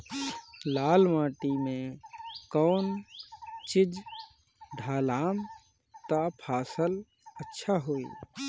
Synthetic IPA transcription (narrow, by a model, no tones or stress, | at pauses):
laːlmãːʈimẽkɔːn | t͡ʃɪd͡ʒ | ɖʱaːlaːm | t̪apʰaːsəl | ətːʃʰaɦoːḭː